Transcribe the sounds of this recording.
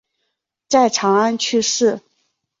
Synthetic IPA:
t͡sa˥˩ɪʈ͡ʂʰɑ˧˥ŋa˥˧nt͡ɕʰy˥˧ʂɻ̩˥˩

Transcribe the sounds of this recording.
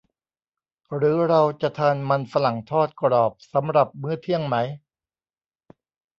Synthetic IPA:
ɾɯː˩˦˥ɾa˧wt͡ɕa˨˩t̪ʰaː˧nma˧nfa˧la˨˩ŋt̪ʰɔː˥˩t̪̚kɾɔː˨˩p̚sa˩˦mɾa˨˩p̚mɯ˥˩ɐt̪ʰi˥˩əŋma˦˥j

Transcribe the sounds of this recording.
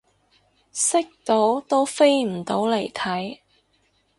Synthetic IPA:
sɪ˥k̚t̪o˨˥wt̪o˥wfe˥jm̩˨˩t̪o˨˥wle˨˩jt̪ʰɐ˨˥j

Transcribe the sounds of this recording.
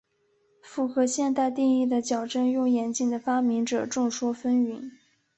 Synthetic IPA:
fu˥˩xɤ˧˥ɕjɛ˥˧nt̪a˥˧ɪt̪i˥˧i˥˩d̪ə˩t͡ɕjɑ˨˩ʊʈ͡ʂə˥njʊ˥˩ŋjɛ˧˥nt͡ɕi˨˩ŋd̪ə˩fa˥mi˧˥ŋʈ͡ʂɤ̰˨˩ʈ͡ʂʊ˥˩ŋʂwɔ˥fə˥ny˧˥˦n

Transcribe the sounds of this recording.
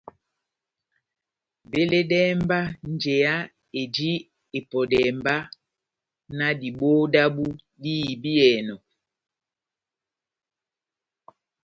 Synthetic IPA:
be˦le˦dɛː˦mba˦n˨d͡ʒe˨a˦ | e˨di˦ | e˨pɔ˨dɛ˨mba˦ | na˦di˨boː˦da˦bu˦ | di˦˨bi˦ɛː˨nɔ˨

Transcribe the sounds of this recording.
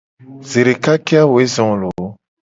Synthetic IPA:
ze˨ɾe˨ka˦ke˦a˦wo˨e˦zɔ̃˨lo˨˦

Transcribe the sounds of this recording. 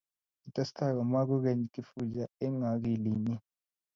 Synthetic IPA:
i˨tʼa˦si̥tʰa˦˨ka˨ma˦k̬u˦k̬e˨ɲ˨kʼi˦fu˦˨d͡ʒa˨ɛ˦ŋa˨k̬i˨liː˨ni˦

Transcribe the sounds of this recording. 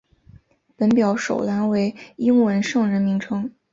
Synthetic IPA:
pə˧˥npjɑ˧˥ʊʂo̰˨˩ʊla˧˥nwe˧˥ɪi˥ŋwə˧˥nʂɤ˥˩ŋɻə˧˥nmi˧˥ŋʈ͡ʂʰɤ˥ŋ

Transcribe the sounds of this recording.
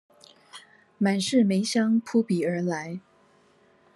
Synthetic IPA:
ma˨˩nʂɻ̩˥˩me˧˥ɪɕjɑ˥ŋpʰu˥pi˨˩ə˞˧˥la˧˥ɪ

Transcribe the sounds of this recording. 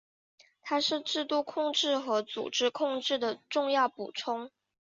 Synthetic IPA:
t̪ʰa˥ʂɻ̩˥˧ʈ͡ʂɻ̩˥˧t̪u˥˧kʰʊ˥˧ŋʈ͡ʂɻ̩˥˩xɤ˧˥t͡sṵ˨˩ʈ͡ʂɻ̩˥kʰʊ˥˧ŋʈ͡ʂɻ̩˥˩d̪ə˩ʈ͡ʂʊ˥˧ŋjɑ˥˩ʊpṵ˨˩ʈ͡ʂʰʊ˥ŋ

